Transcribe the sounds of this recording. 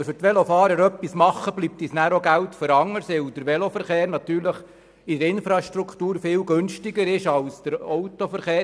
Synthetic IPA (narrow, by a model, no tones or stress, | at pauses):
fʏrtʋɛlofɑːɾəɾœpːismɑχːəb̥liːp̚t̪iːsnæːɾoɡæwtfəɾɑŋːəɾsɪwd̥̪əɾʋɛlofəɾχeːɾnɑt̪yːɾləχ | idəɾɪnfɾɑʃtɾukʰtuːɾfɪwɡønʃtɪɡəɾɪʃɑlsd̪̥əɾɔwt̪ofəɾχeː